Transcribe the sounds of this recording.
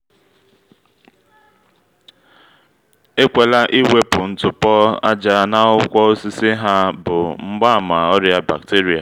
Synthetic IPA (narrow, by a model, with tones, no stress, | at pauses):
e˦kʷe˨la˦ʔi˦we˦pʊ˨n̩˦tʊ˨pɔ˦a̰˦d͡ʒa˦na˦ʊ˦kʷɔ˦o˦si˦si˦ɦa˦bʊ˨ŋ͡m̩˦ɡ͡ba˦˨ma˨ɔ˦ɾja˦ba̰˨k̚te˦ɾi˨a̰˨